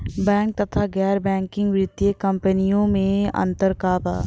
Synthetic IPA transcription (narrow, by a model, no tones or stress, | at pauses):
bɛ̃ːŋk̚t̪ɐt̪ʰaɡɛːɾbɛ̃ːŋkɪ̃ŋɡʋɾɪd̪jekɐ̃mpənijõmẽɐ̰̃nt̪əɾkaːpa̰ː